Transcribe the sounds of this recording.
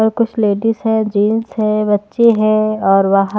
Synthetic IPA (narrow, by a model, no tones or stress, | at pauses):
ɔɾkʊt͡ʃʰleːɖizɦɛ̃d͡ʒiːnsɦɛ̃bɐtːʃeɦɛ̃ɔːɾʋaɦ